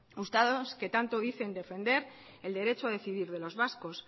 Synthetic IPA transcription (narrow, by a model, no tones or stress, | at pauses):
ust̪aðo̞ske̞t̪ant̪oðiθe̞nd̪e̞fe̞nd̪e̞ɾ | e̞ld̪e̞ɾe̞t͡ʃoað̞e̞θiðiɾðe̞lo̞zβasko̞s